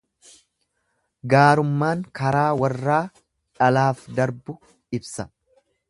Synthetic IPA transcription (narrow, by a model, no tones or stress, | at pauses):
ɡaːɾʊmːaːŋkɐɾaːwɐrːaː | ᶑɐlaːfd̪ɐɾbʊ | ɪbsɐ